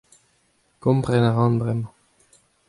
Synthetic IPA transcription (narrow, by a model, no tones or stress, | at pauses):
kɔ̃mpʁɛnaʁɑ̃ːnbʁɛmɑ̃